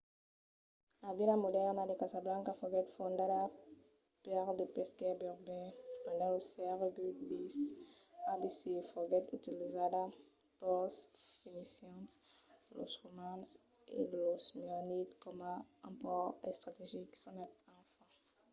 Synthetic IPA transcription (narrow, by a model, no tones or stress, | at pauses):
lavilamɔdɛʁnad̪ekazablãŋkafɔɡɛt̪fɔ̃nd̪ada | pɛʁd̪əpɛskɛbɛʁbɛ̃pɛ̃nd̪ãosɛʁɡydisabisiefɔɡɛt̪y̰t̪ilizada | pɔst̪finisãnt̪ | lo̰sʁomãns | ḛlɔsmɔnit̪kɔmaãpɔʁɛ̰st̪ʁat̪eʒiksɔ̃nɛt̪ɑ̃fã